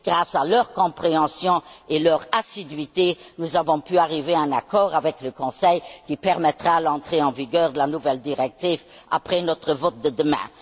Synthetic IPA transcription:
ɡ̥ʁaːsalœʁkɔ̃pχeɑ̃sjɔ̃elœʁasid̪ɥit̪enuzavɔ̃pyaʁiveɛ̃nakɔːʁavɛkləkɔ̃sɛjkipɛʁmɛt̪ʁalɑ̃t̪χeɑ̃viɡœːʁd̪əlanuvɛld̪iʁɛk̚t̪iːv | a̰pχɛnɔt̪χəvot̪̚d̪əd̪əmɛ̰̃

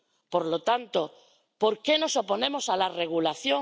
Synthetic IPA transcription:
poɾlot̪ant̪o | po̞ɾke̞no̞so̞po̞nẽ̞mo̞salare̞ɣ̞ulaθjo

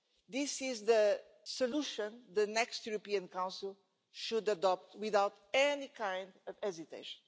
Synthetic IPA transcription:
ðisizðə | soluʃɔ̃nðɨnɛkstjuɾopiɨ̃nkãw̃nsilˠ | ʃud̪əd̪ɔp̚t̪wiðawt̪ɛnikʰãɪ̃nd̪ɔvɛzit̪ḛɪʃɔ̥̃n

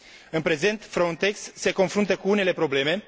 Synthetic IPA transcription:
ɨnpɾe̞ze̞nt̪fɾont̪e̞ksːe̞ko̞nfɾunt̪əkuune̞le̞pɾo̞ble̞me̞

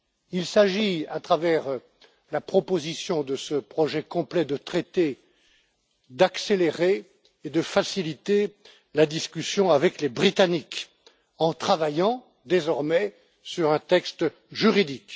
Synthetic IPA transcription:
ilsaʒiat̪χavɛʁ | lapχɔpozisjɔ̃d̪əsəpχɔʒɛkɔ̃plɛd̪ət̪χet̪e | d̪akseleʁeː | d̪əfasilit̪e | lad̪iskʲysjɔ̃avɛklebʁit̪anik | ɑ̃t̪χavajɑ̃ | d̪ezɔʁmɛ | syʁɛ̃t̪ɛkst̪ | ʒyʁid̪ik

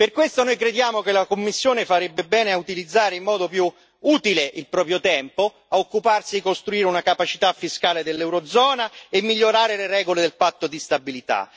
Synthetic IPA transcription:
perkwest̪onojkɾed̪jaːmokelakomːisːjoːnefaɾebːebɛːneaut̪ilid̪zːaːɾeimːɔːd̪opju | uːt̪ileʔilpɾɔːpɾjot̪ɛmpo | aokːuparsid̪ikost̪ɾuiːɾeunakapat͡ʃit̪afːiskaːled̪elːɛwɾod̪zɔːnaemːiʎːoɾaːɾeleɾɛːɡoled̪elpat̪ːod̪ist̪abilit̪a̰

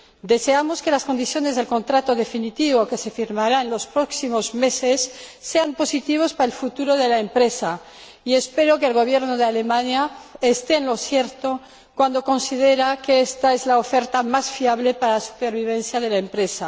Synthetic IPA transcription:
d̪e̞se̞amo̞ske̞laskond̪iθjo̞nezðe̞lko̞nt̪ɾat̪oðe̞finit̪iβokese̞fiɾmaɾaenlo̞spɾo̞ksimo̞zme̞sesːe̞ampo̞sit̪iβ̞ospaɾaelfut̪uɾoðe̞laempɾe̞sa | ie̞spe̞ɾo̞keːlɣ̞o̞β̞je̞ɾnoð̞eale̞mãɲaest̪eːnlo̞sje̞ɾt̪o | kwand̪o̞ko̞nsið̞e̞ɾakeest̪ae̞zlaofe̞ɾt̪amasfiaβ̞le̞paɾalasu̥peɾβiβ̞en̟θjaðe̞laempɾe̞sa

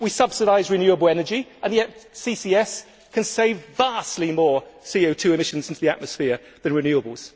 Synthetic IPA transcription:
wisʌb̥sɪɾaɪzɹɪnjʉəbəlˠɛnəd͡ʒiʔə̃nðiɛtsiːsiːɛs | kʰə̃nseɪvːaˑstˡlimɔːsiːoʊtʰʉːɪmɪʃə̃nzɪ̃ntʰuðia̰ʔ̚məsfɪə | ðə̃nɹɪnjʉːəbəlˠz̥

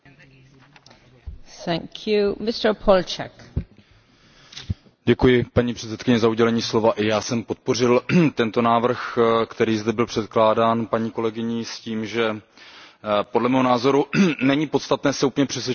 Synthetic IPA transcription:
θæ̃ŋkʰjumɪstə˞pʰɔlt͡ʃɛ̰k | ɟɛkujɪpaɲiːpr̝̥ɛt͡sɛt̪kɪɲɛzauɟɛlɛɲiːslo̞vaʔɪjaːsɛmpo̞t̪̚po̞rɪlt̪ɛnt̪o̞naːvr̩xkt̪ɛɾiːzd̪ɛbɪlpr̝̥ɛt̪klaːdaːnpaɲiːko̞lɛɡɪɲɪsciːmʒɛ | podlɛmɛːɦonaːzo̞ɾunɛɲiːpo̞t̪st̪at̪nɛːsɛupəɲɛpr̝̥ɛsvʲɛ

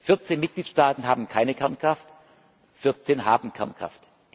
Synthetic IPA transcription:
fɪɐt͡seːnmɪt̚ɡ̥liːtʃtaːtn̩ɦaːbm̩kʰaɪnəkʰɛɐnkʁ̥aft | fɪɐt͡seːnɦaːbn̩kʰɛ̰ɐnkʁ̥a̰ft | d̥

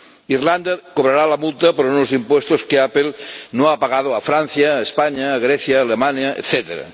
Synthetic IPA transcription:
irland̪akoβɾaɾalamult̪ɐpoɾunozimpwest̪oskeapelnoapaɣað̞oafɾan̟θjaespaɲaːɣɾeθjaːlemanjaḛt̪θet̪eɾa̰

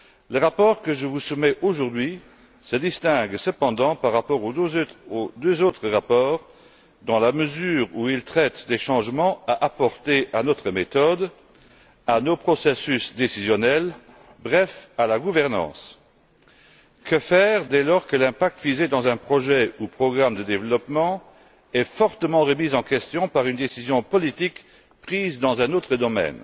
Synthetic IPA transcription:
ləʁapɔːʁkəʒəvusumɛʔoʒuʁd̪ɥi | səd̪ist̪ɛ̃ɡsəpɑ̃d̪ɑ̃paʁːapɔʁood̪øzot̪χəʁapɔːʁ | d̪ɑ̃laməzyːʁuilt̪χɛt̪d̪eʃɑ̃ʒmɑ̃aʔapɔʁt̪eʔanɔt̪χəmet̪ɔd̪ | anopχɔsɛsysd̪esizjɔnɛl | bʁɛfalaɡuvɛʁnɑ̰̃ːs | kəfɛːʁd̪ɛlɔʁkəlɛ̃pak̚t̪vized̪ɑ̃zɛ̃pχɔʒɛupχɔɡʁamd̪əd̪evlɔpmɑ̃ | ɛfɔʁt̪əmɑ̃ʁəmizɑ̃kɛst̪jɔ̃paʁynd̪esizjɔ̃pɔlit̪ik | pχizd̪ɑ̃zɛ̃not̪χəd̪ɔmɛ̰n

